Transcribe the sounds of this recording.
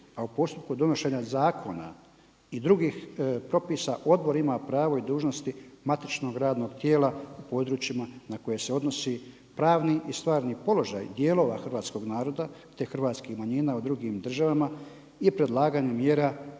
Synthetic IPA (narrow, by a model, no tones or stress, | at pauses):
aupo̞st̪up̚kud̪o̞no̞ʃe̞ɲazaːkʰo̞na̰ | id̪ɾuɡiːxpɾo̞piːsaʔo̞d̪bo̞ɾimapɾaːʋo̞id̪uːʒno̞st̪imat̪it͡ʃno̞ɡɾaːd̪no̞ːɡt̪je̞ːlaupo̞ːd̪ɾuːt͡ʃimanako̞jese̞o̞d̪no̞si | pɾaːʋniʔist̪ʋaːɾnipo̞lo̞ʒa̰jd̪je̞ːlˠo̞ːʋa̰xrʋaːt̪sko̞ɡnaːɾo̞d̪at̪exr̩ʋaːt̪skixmaɲiːnaud̪ɾuɡiːmd̪r̩ʒaʋama | ipɾe̞d̪lˠaːɡaːɲemjeːɾa